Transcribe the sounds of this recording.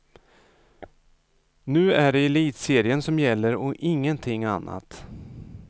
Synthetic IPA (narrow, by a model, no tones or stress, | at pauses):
nʉ̟ːæɖɛːliːt̪seːɾɪənsɔmjɛlːəɾɔʔɪŋːənt̪ʰɪŋːanːa̰t̪